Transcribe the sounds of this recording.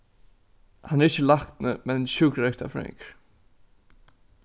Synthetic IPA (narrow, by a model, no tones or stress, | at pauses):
hanːɛɾɪht͡ɕːəlakt̪nəmɛnɕuːkɾɛkt̪a̰fɾɛ̰ŋkɾ